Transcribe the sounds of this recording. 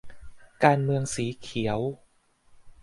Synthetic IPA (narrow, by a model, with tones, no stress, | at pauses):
kaː˧nmɯ˧əŋsiː˩˦kʰi˩˦əw